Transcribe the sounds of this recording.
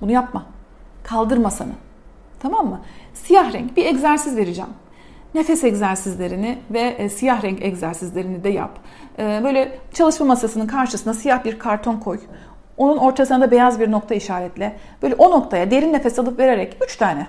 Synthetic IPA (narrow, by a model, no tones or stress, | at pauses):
bunujap̚makʰalˠd̪ɯɾmasanɯ̰ | t̪ʰamamːɯsijahɾɛ̰ɲcbiɛɟzæɾsizve̞ɾid͡ʒɛ̰m | ne̞fɛsɛczæɾsizlʲe̞ɾinɪvɛsijaɦɾɛŋcɛɟzæɾsizlʲe̞ɾinid̪ɛja̰p | ɛːbø̞jlʲɛt͡ʃʰalˠɯʃmamasasɯnɯnkʰaɾʃɯsɯnd̪asijaxbiɾkʰaɾt̪ʰo̞nkʰo̞j | o̞nuno̞ɾt̪ʰasɯnd̪abe̞jazbiɾno̞k̚t̪ʰaiʃaːɾɛt̪lʲɛ | b̥øjlʲɛʔo̞no̞kt̪ʰajad̪e̞ɾinːe̞fɛsialˠɯpve̞ɾe̞ɾɛcyt͡ʃt̪ʰaːnɛ